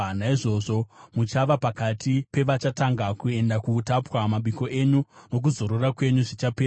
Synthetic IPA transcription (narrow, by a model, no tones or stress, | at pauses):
naiʐo̞ːʐo̞mut͡ʃaʋapakatʰipe̞ʋat͡ʃataŋɡakue̞ndakuːtapwamaɓiko̞ʔe̞ɲuno̞k̬uzo̞ɾorakwe̞ɲuʐit͡ʃapeː